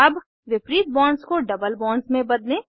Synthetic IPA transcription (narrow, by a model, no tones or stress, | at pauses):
ɐb | ʋɪpɾiːt̪̚bɔːɳɖzkoɖɐbəlbɔːɳɖzmẽbɐd̪lẽː